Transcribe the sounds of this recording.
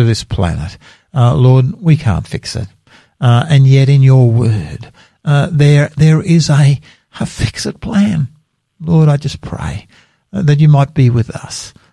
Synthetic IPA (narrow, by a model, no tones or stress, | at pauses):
ɨðɪspʰl̥æ̰nɨ̰t̚ | lɔɹd̚wikʰæ̰̃ntfɪksɨ̰t̚ | ɨ̃njɛɾɨ̃njə˞wɜ̰˞d̚ | ðə˞ðə˞ʔɪzə | əfɪksɨt̚pʰl̥æ̃n | lɔɹɾaɪd͡ʒʌspʰɹ̥ḛɪ | ðɨt͡ʃɨmaɪt̚b̥iwɨðʌ̰s